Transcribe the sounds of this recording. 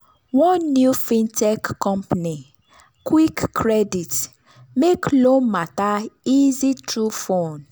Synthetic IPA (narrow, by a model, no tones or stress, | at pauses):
wɔ̃nːjufĩntɛkːɔ̃mpani | kwikːɹɛdit | meklomataizitɹufõn